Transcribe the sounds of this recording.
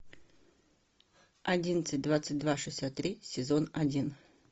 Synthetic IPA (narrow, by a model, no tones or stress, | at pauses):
ɐdʲinət̪sɨt̚ʲd̪vat̪sət̚ʲd̪vaʂɨsʲat̪ːɾʲisʲɪzonɐdʲin